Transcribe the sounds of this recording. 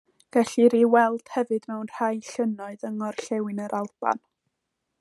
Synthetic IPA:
ɡ̥ɛɬiɾiwɛlˠd̥hɛvɨd̥mɛwnr̥ajɬənɔɨðəŋɔrɬɛwɨnəɾʔalˠb̥a̰n

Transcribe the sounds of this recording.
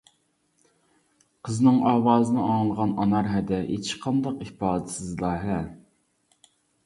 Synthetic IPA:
qʰəznɨŋɑːwɑːzɨnɨɑŋlˠʁɑnɑnɑɾɦɛd̪ɛɦḛt͡ʃqʰɑnd̪ɑqipɑːd̪ɨsɨzlˠɑːɦɛ

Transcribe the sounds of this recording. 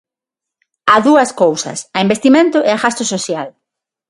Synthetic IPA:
aðuɐskowsɐ̰sɐembest̪imẽnt̪ʊʔeaɣast̪ʊsoθjal

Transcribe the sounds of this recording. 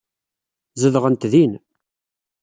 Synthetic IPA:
zəðʁənt̪ðin

